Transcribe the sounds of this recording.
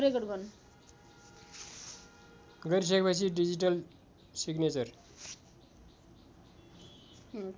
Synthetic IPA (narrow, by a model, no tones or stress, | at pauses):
ɾekʌɽɡʌn | ɡʌɾis̬ʌkepʌt͡sʰiɖid͡ʑiʈʌl | siɡnet͡sʌr